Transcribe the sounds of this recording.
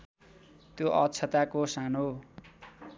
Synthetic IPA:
t̪joʔʌt͡sʰʌt̪akosano

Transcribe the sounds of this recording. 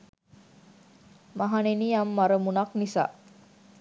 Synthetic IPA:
maɦaneniːamːaɾəmunaknisa̰ː

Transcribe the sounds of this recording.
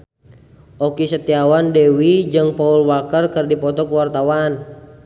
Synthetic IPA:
ʔɔkisət̪iawandɛwid͡ʒɨŋpaulwakərkərdipɔt̪ɔkuwart̪awan

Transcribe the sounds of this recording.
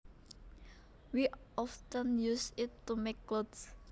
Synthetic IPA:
wiʔɔftə̃njusɪtːumekːlods

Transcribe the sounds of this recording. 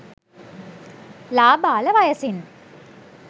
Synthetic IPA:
laːbaːləʋajəsin

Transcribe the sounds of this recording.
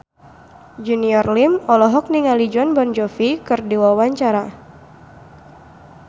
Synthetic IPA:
d͡ʒuniɔrlimɔlɔɦɔk̚niŋalid͡ʒɔnbɔnd͡ʒɔfikɨrdiwawaɲt͡ʃaɾa

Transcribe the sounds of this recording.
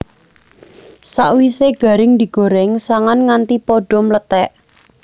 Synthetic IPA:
saʔwiseɡ̥ä̤ɾɪŋd̪i̤ɡ̥o̤ɾɛŋsaŋanŋant̪ipɔɖ̥ɔ̤mlət̪ɛʔ

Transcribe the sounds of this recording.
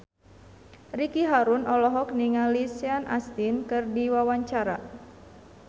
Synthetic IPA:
rikiɦaɾunɔlɔɦɔk̚niŋalisianʔa̰st̪inkɨrdiwawaɲt͡ʃaɾa̰

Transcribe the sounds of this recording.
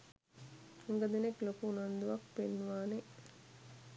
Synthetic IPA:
aŋɡəd̪eneklokuːnand̪uʋak̚penːʋaːne

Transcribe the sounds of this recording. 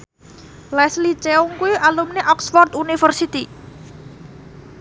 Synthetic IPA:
lɛslit͡ʃeuŋkuiʔalumneʔɔksfɔrt̪unifərsit̪i

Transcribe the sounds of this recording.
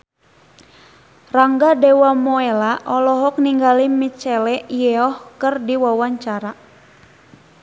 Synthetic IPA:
raŋɡadɛwamɔɛlaʔɔlɔɦɔk̚niŋɡalimit͡ʃɛlɛʔijɛɔhkɨrdiwawaɲt͡ʃaɾa

